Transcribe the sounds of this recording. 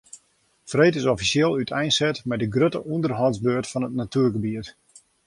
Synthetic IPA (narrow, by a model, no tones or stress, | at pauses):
frejtɪsɔfisjeːlˠytʰɛjnsɛtmɛdəɡrøtəʔundərɦɔzbøətfɔnətnatʰyərɡəbiət